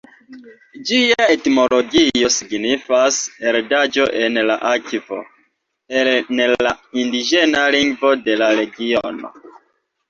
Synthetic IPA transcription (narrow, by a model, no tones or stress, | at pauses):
d͡ʒiaetmo̞lo̞ɡio̞siɡnifaseɾdad͡ʒo̞ʔe̞nla̰ʔakvo̞̰ | elnla̰indid͡ʒe̞naliŋɡvo̞de̞laɾe̞ɡiono̞̰